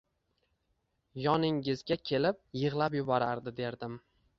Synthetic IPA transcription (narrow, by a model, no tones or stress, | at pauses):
jɒnɪŋɪzɡʲakʲʰelɪp̚jɨʁlˠapjʊbɒɾaɾd̪ɪd̪e̞ɾd̪ɪm